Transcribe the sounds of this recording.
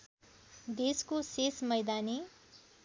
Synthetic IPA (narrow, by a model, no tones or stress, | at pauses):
d̪eskosesmʌjd̪ani